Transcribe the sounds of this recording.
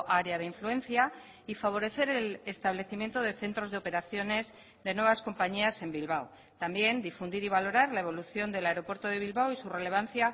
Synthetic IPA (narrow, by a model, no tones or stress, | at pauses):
ʔaɾeaðeiɱfluẽ̞nθja | ifaβ̞o̞ɾe̞θe̞ɾelest̪aβle̞θimje̞nt̪o̞ðe̞θe̞nt̪ɾo̞zðeo̞pe̞ɾaθjo̞ne̞z | ðe̞nwe̞βasko̞mpaɲiase̞mbilβaw | t̪ambje̞nd̪ifund̪iɾiβ̞alo̞ɾaɾlae̞β̞o̞luθjo̞nd̪e̞laeɾo̞pwe̞ɾt̪oð̞e̞β̞ilβawisure̞le̞β̞anθja